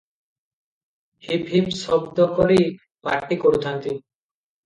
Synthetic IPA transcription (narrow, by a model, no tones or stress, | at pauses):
hibʱibsɔbd̪ɔkoɾi | pa̰ɾʈːikoɾut̪ʰant̪i